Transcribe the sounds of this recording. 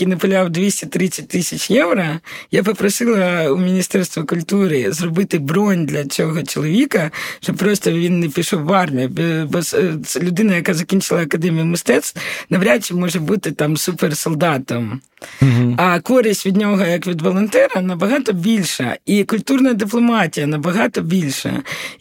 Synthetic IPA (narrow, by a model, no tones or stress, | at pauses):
kinɐpʊlʲɑwd̪ʲʋʲisʲtʲɪt̪ɾɪsʲɐt̚ʲt̪ɪsʲɐt͡ʃjɛwɾɐjapɔpɾɔsɪlˠɐumʲinʲist̪ɛrst̪ʋɐkʊlʲt̪uɾɪzrɔbɪt̪ɪbɾɔnʲd̪lʲɐt͡sʲɔɦɔt͡ʃɔlˠɔʋʲikɐʃt͡ʃɔp̚pɾɔst̪ɔʋʲinːɛpʲiʃɔwːɑrmʲibbɔslʲʊd̪ɪnɐjɐkazɐkʲinʲt͡ʃɪlˠɐɐkɐd̪ɛmʲijʊmɪst̪ɛt̪st̪nɐʋɾʲat͡ʃːɪmɔʒɛbut̪ɪt̪ɑmsupersɔlˠd̪ɑt̪ɔm | ɐkɔɾɪsʲtʲʋʲid̪ʲnʲoɦɔjɐkʋʲid̪ʋɔlˠɔnt̪ɛɾɐnɐbɐɦɑt̪ɔbʲilʲʃɐ̰ikʊlʲt̪urnɐɐd̪ɪplˠɔmɑtʲijɐnɐbɐɦɑt̪ɔbʲilʲʃɐ̰